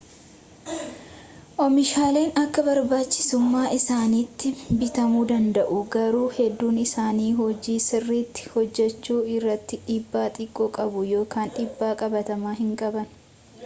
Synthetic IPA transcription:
ʔɔmɪʃaːle̞ːnɐkːɐbɐɾbaːt͡ʃːɪ̥sʊmːaːʔɪsaːniːt̪ːɪbɪt̪ɐmuːd̪ɐnd̪ɐʔʊɡɐɾuːhɛd̪ːuːnɪsaːniːɦɔd͡ʒiːsɪrːiːt̪ːɪ̥hɔd͡ʒːɛt͡ʃːuːɪrːɐt̪ːɪᶑiːbːaːt̪ʼɪkʼːoːkʼɐbʊjo̞ːkaːnᶑiːbːaːkʼɐbɐt̪ɐmaːɦɪŋkʼɐbɐn

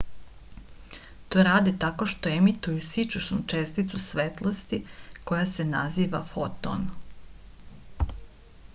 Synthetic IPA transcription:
t̪oɾaːd̪it̪ako̞ʃt̪o̞emit̪ujusit͡ʃuʃnut͡ʃest̪it̪susʋet̪lˠost̪iko̞jasenaziːʋafo̞t̪o̰n

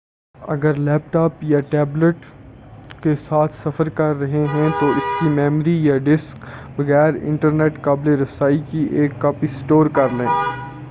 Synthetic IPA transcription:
ɐ̰ɡəɾlɛːpʈaːpjaʈɛːbləʈ | kesaːt̪ʰsɐfəɾkɐɾːɐɦeɦɛ̃t̪oʔɪskimɛːmɾijaːɖɪskbɐɣɛːɾɪ̰̃ɳʈəɾneːʈkaːbleɾɐsaːikiʔeːkːɐpisʈoːɾkɐɾlẽː

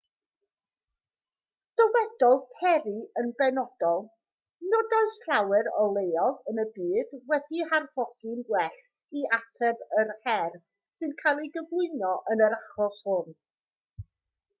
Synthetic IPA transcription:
d̥ɔwɛdɔlˠpʰɛɾiənbɛnɔd̥ɔlˠ | nɔdajsɬawɨɾɔlˠejɔvənəbiːdwɛdiharv̥ɔɡ̥ɪnɡwɛɬ | iatʰɛvərhɛr | sɨnkʰajlˠiɡəvlˠʊɨnɔʔənəɾaχɔshʊn

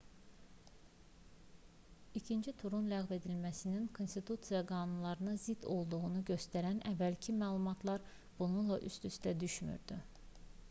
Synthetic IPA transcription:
icʰind͡ʒit̪ʰuɾunlæɣve̞d̪ilmæsininkʰo̞nst̪it̪ʰut̪sijɑɡɑːnunlˠɑɾɯnɑzid̪̥o̞lˠd̪uɣunuɟø̞st̪æɾænævːælcʰimæːlˠumɑt̪ʰlˠɑɾ | b̥ununlˠɑʔy̰st̪yst̪æd̪yʃmy̰ɾd̪y

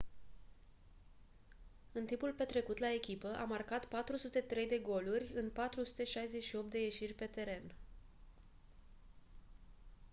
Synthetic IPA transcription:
ɨnt̪impulpe̞t̪ɾe̞kut̪lae̞kʲipəʔamarkat̪pat̪ɾusut̪e̞t̪ɾe̞jd̪e̞ɡo̞lurʲɨnpat̪ɾusu̥t̪e̞ʃajze̞t͡ʃʃio̞p̚t̪d̪e̞je̞ʃirʲpe̞t̪e̞ɾe̞n

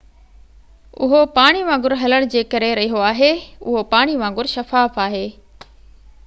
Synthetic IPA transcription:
ʊ̰ɦopaːɽ̃iʋãːŋɡʊɾɦɐləɽ̃d͡ʑeːkɐɾeɾɐɦiɦoaːɦeʊ̰ɦopaːɽ̃iʋãːŋɡʊɾʃɐfaːfaːɦeː

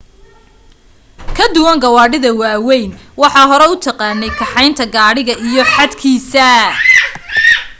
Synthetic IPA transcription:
kʰɐd̪ʊwɐŋɡɐwɑːɖɪðɐwɑːwɛjnwɑħɑːɦɔɾɛʊt̪ʰɑqɑːnɛjkʰɑħɑjnt̪ʰɐɡaːɽɪɣɐʔijɞħɑd̪kʰiːsɐ

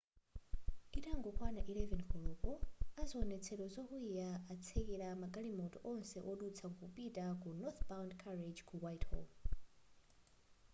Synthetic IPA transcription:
itaŋɡɔkʰwanaʔilɛvɛnkʰɔlɔpɔazɔːnɛt͡sʰɛɗɔzɔhuijaat͡sʰɛkɛɾamaɡalimɔtɔʔɔnsɛʔɔɗut͡sʰaŋkupʼitʼakunɔθbawndkʰaɾed͡ʒkʰuwajthɔ̰l

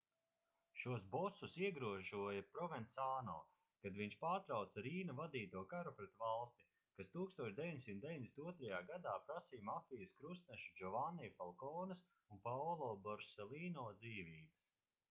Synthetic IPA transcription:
ʃuɔsbɔsusiɛɡɾuɔʒuɔjɐpɾɔvɛnt̪saːnɔ̰ː | kad̪viɲʃpaːɾt̪ɾawt̪saɾiːnɐvad̪iːt̪uɔkaɾupɾet̪valˠst̪i̥ | kast̪uːkst̪uɔʃd̪ʲeviɲʲd̪ʲesʲimt̪d̪ʲeiɲʲd̪esʲt̪uɔt̪ɾajaːɡad̪aːpɾasiːmafijəskɾust̪nɛʃud͡ʒɔvanːijfalˠkɔːnɐs | unpawlˠɔːbɔɾsɛlˠiːnɔːd̪ziːviːbɐs

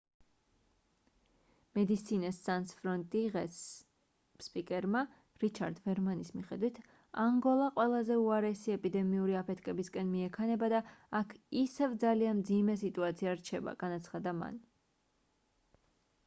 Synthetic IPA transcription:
mɛd̪it̪sʰinɛsːansfɾɔnt̪ʼiʁɛs | spʼikʼɛɾma | ɾit͡ʃʰaɾd̪vɛɾmanismiχɛd̪wit̪ʰ | aŋɡɔlˠaqʼwɛlˠazɛuaɾɛsiɛpʼid̪ɛmiuɾiapʰɛt̪ʰkʼɛbiskʼɛnmiɛkʰanɛbad̪aakʰisɛvd̪zalianmd̪zimɛs̬it̪ʼuat̪sʰiaɾt͡ʃʰɛba̰ɡ̥anat̪sʰχad̪ama̰n

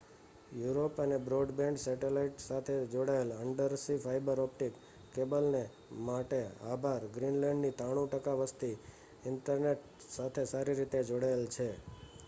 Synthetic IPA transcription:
juɾopənebɾoɖbẽɳɖsɛʈelaiʈsat̪ʰed͡ʒoɽaeləɳɖəɾsifʰajbəɾɔp̚ʈikː | ebəlne | maʈea̰bʱaɾɡɾinlɛ̃ɳɖnit̪aɽ̃ũʈəkaʋəst̪i | ɪɳʈəɾneʈ | sat̪ʰesaɾiɾit̪ed͡ʒoɽaelt͡ʃʰe

